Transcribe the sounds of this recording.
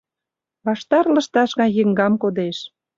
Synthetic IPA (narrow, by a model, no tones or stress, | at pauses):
βɑʃt̪ɑrlə̆ʃt̪ɑʃɣɑjə̆ŋɡɑmkod̪eʃ